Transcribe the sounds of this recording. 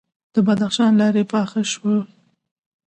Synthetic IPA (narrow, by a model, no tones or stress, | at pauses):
d̪̥əbad̪axʃɑnlɑɾepɑxaʃwə